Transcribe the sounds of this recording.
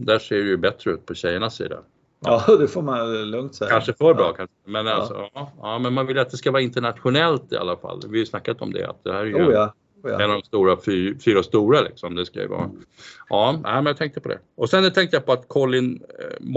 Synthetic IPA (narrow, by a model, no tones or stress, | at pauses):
d̪æːʂeːɖɛjɵbɛt̪ɾəʉ̟ːt̪̚pʰɔɕɛjːəɳasːḭːd̪a̰ | d̪ɛfoːmanlɵŋt̪sɛkanʂəfœɾbɾɑ̰ːkʰanʂəmɛnalsɔ̰ɑːɑːmɛnmanvɪljat̪̚d̪ɛskavɑːɾaɪnt̪əɳat̪ɧʊnɛlt̪ɪ̰a̰lːafa̰lːvɪajsnakːat̪ɔ̰md̪ɛ̰a̰t̪̚d̪ɛhæːɾɛj | ɛnɔd̪ɔmst̪uːɾafyːfyːɾast̪uːɾalɪ̰ksɔmd̪ɛska̰j̰ə̰vɑ̰ːɾaʔɑːnʔæ̰ɪmɛnjat̪ʰɛŋk̚t̪əpɔd̪ɛ̰ɔsɛnt̪ʰɛŋkt̪əjapʰɔat̪kʰɔlːɪnm